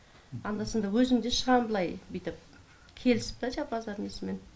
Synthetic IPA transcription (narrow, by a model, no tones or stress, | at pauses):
ɑnd̪ɑsəɴd̪ɑwɵzɪŋd̪eʃəʁɑnbəlˠɑjbijt̪ɪp̚ | kʲʰe̞lɪsɪ̥p̚t̪ɑʒɑbɑzɑɾnesɪme̞n